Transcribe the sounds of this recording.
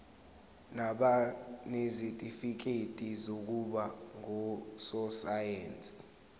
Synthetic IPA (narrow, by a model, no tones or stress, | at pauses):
naɓanezitʼifik̬etʼizok̬uɓaŋɔsɔsajeːnt͡sʼi̥